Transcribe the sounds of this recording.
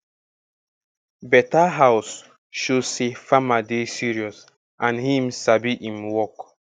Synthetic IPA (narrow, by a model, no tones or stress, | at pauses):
bɛtaɦaʊs | ʃosefamadesiɾiɔs | ãnɦĩmsabiʔimwɔk